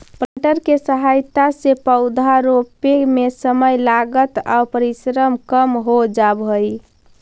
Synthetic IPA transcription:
pəʈəɾkesəɦajt̪asepəʊd̪ʱaɾopemesəməjlaɡət̪a̰pəɾisɾəmkəmɦod͡ʒabɦoj

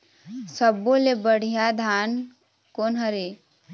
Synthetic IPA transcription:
səbolebəɽ̤ijad̪ʱaːn | konɦəɾe

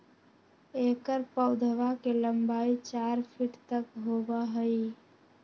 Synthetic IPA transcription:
ekəɾpəʊd̪ʱəʋakeləmbaːit͡ʃaɾpʰiʈt̪əkɦobaɦəi

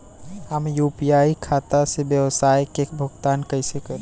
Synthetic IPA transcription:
ɦəmjuːpijaːikʰaːt̪asebjəwsaːjkekbʱʊɡt̪aːnkəɦsekəɾ

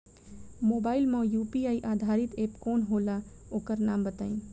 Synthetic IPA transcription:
moːbaːɪlmãjuːpiaːiʔaːd̪ʱaːɾɪt̪eːpkoːnɦoːla | oːkəɾnaːmbət̪a̰ːĩ

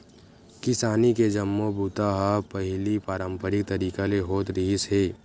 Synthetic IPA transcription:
kɪsaːniked͡ʒɐmːobuːt̪aɦapəɦɪlipaːɾə̃mpəɾɪk̚t̪ɐɾiːkaleɦoːt̪ɾiːɦsɦeː

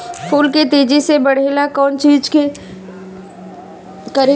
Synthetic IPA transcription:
pʰuːlket̪eːd͡ʒisebɐɽ̤eːlakɔːnt͡ʃiːd͡ʒke | kɐɾe

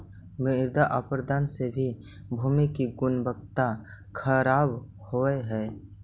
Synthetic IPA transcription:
mɪɾd̪aʔapɾd̪aːnsebʱi | bʱuːmikiɡʊnbəɡt̪akʰəɾaːbhoeɦɛː

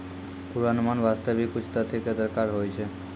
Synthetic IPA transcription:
puɾanmanbast̪abikːut͡ɕʰt̪at̪ʰeked̪ɔɾkaɾɦojt͡ɕʰe

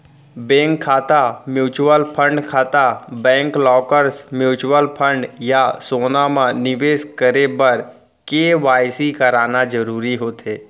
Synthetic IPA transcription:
bɛ̃ːŋkʰːaːt̪amjuːt͡ʃwəlpʰə̃ɳɖkʰaːt̪abɛ̃ːŋklɔːkəɾsmjuːt͡ʃwəlpʰə̃ɳɖjasoːnamãnɪʋeːskəɾebɐɾ | keʋaːjsikɐɾaːnad͡ʒəɾuːɾiɦoːt̪ʰeː

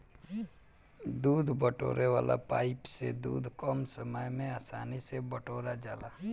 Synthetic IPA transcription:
d̪uːd̪ʱbəʈo̰ːɾʔeʋa̰ːla̰paːɪpsed̪ṵːd̪ʱkɔːmsəməjmẽaːsaːnisebəʈoːɾad͡ʒaːlaː

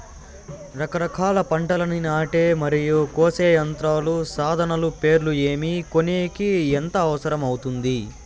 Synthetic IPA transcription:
ɾɐkɐɾɐkʰaːlɐpɐɳʈɐlɐninaːʈeːmɐɾijukoːseːjɐnt̪ɾaːlusaːd̪ʱɐnɐlupe̞ːɾlue̞ːmiko̞neːkient̪ɐːʋɐsɐɾɐmɐwut̪und̪i

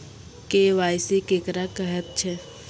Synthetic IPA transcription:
keʋaːjsikeːkɾakəɦət̪̚t͡ʃʰe

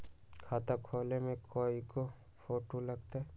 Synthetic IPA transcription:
kʰaːt̪akʰoːlemẽkʰoːiko | poːʈolɐɡt̪aɛ

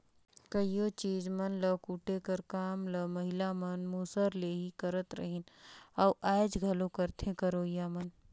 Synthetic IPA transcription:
kəijot͡ʃiːd͡ʒmɐnləkuʈekəɾkaːmləmɐɦɪlamənmuːsəɾleːɦikəɾət̪ɾə̰ɦɪnɐwʔaːd͡ʒɡʱɐlõkəɾt̪ẽkəɾoːjaːmɐn

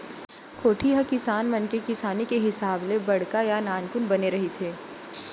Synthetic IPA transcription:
kʰoːʈʰiɦɐkɪsaːnmɐnkekɪsaːnikeɦɪsaːblebɐɽkajanaːnkʊnbɐneɾɐɦit̪ʰeː

